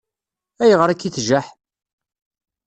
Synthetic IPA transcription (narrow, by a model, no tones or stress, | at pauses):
æjəʁɾækːiθʒæħ